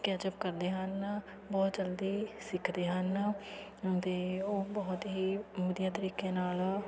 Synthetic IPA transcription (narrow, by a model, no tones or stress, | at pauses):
kɛːd͡ʒəp̚kəɾd̪eːɦən | bɔːt̪d͡ʒəld̪iːsɪkʰd̪eːɦən | t̪eːoːbɔːt̪ɦiːməd̪jaːt̪əɾiːkeːnaːl